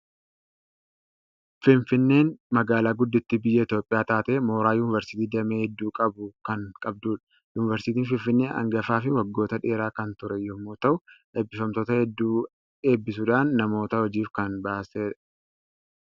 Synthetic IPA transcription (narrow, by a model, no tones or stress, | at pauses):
fɪnfɪnːe̞ːnmɐɡaːlaːɡʊd̪ːɪt̪ːɪbɪjːɐɪt̪jo̞ːpʼːɪjaːt̪aːt̪eːmo̞ːɾaːjuːnɪvɐɾsɪ̥t̪iːd̪ɐmeːhɛd̪ːuːkʼɐbʊkɐŋkʼɐb̚d̪uːᶑɐ̥ | juːnɪvɐɾsɪt̪iːnfɪnfɪnːeːʔɐ̰ŋɡɐfaːfɪwɐɡːoːt̪ɐᶑe̞ːɾaːkɐnt̪ʊɾɛjɔmːoːt̪ɐʔʊʔe̞ːbːɪfɐmt̪oːt̪ɐhɛd̪ːuː | e̞ːbːɪs̬ʊᶑaːnːɐmo̞ːt̪ɐhɔd͡ʒiːfkɐnbaːseːᶑ